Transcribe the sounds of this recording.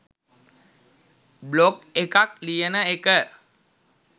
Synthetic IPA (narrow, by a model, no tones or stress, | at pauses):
blokekak̚lijənəekə